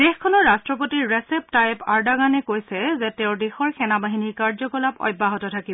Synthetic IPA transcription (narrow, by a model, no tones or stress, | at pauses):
d̥exkʰːɔnɔɹastɹɔpotiɹːɛsɛp̚tajpaɹdaɡanɛkojsɛzɛteʊdexɔɹxʰɛnabaɦiniɹkaɹzɔɡɔlapɔ̰jbːaɦɔtɔtʰakibɔ